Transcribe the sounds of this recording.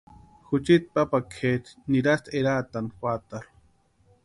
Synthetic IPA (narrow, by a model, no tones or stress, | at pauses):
xut͡ʃit̪̚papakʰet̪niɾast̪ʰeɾat̪anxwat̪al